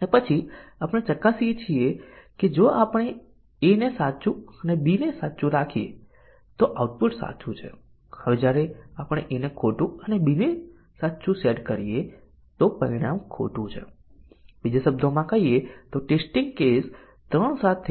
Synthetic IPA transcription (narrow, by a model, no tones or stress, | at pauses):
nepət͡ʃʰi | apəɽ̃et͡ʃəkːasiet͡ʃʰieked͡ʒoapəɽ̃e | enesatːt͡ʃũənebinesatːt͡ʃũɾakʰiḛ | t̪oʔauʈ̚pʊʈsa̰t͡ʃʰũt͡ʃʰḛ | həʋed͡ʒjaɾeapɽ̃eʔenekʰoʈũənebine | sat̪ːt͡ʃũseʈkəɾije | t̪opəɾiɽ̃amkʰo̰ʈũt͡ʃʰḛ | bid͡ʒesəb̚d̪ʱomãkəɦiet̪oʈesʈɪŋɡ̚kes | t̪ɾəɳsat̪ʰː